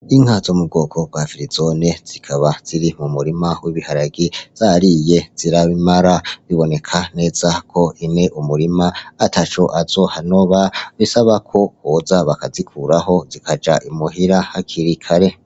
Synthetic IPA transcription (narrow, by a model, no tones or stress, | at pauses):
iŋ̥hazomub̚ɡo̞ːkʰo̞b̥̚wafiɾizonez̥ikʰaβaz̥iɾimumuɾimawiβihaɾaɡiz̥aɾije̞z̥iɾaβimaɾaβiβo̞ne̞kʰane̞ːzakʰo̞ineʔumuɾimaːtʰat͡ʃo̞ʔazo̞hano̞βaβisaβakʰo̞hozaβakazikʰuɾaɦo̞zikʰad͡ʒa̰ʔimuɦiɾahakʰiɾikʰaɾe̞